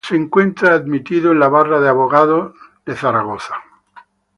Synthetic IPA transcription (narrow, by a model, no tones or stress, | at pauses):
seːŋkwe̞nt̪ɾaːðmit̪iðoenlaβaraðeaβoɣaðoðe̞θaɾaɣ̞oθḁ